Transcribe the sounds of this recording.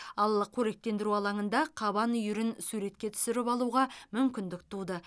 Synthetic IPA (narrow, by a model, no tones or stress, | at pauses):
ɑlˠkʲʰɵɾe̞k̚t̪e̞nd̪ɪɾuɑlˠɑɴənd̪ɑqʰɑbɑnʏjʏɾɪnsuɾe̞t̪kʲe̞t̪ʰʏ̥sɪɾɪpɑlˠuʁɑmʏmkʲɪnd̪ɪk̚t̪ʰud̪ə